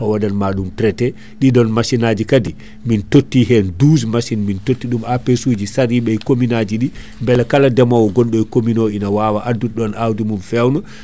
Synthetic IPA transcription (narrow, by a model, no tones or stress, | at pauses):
ɔwadanmaɗumtɾɛtɛ | ɗiɗɔnmasinaːd͡ʒikadi | mintotːiɦɛndusmasinmintotːiɗumapesud͡ʒisaɾiɓɛjkominad͡ʒiɗi | mbɛlakaladɛmɔwɔɡɔnɗɔjkominɔinawawaʔadːuɗɔnawdimunfɛwnɔ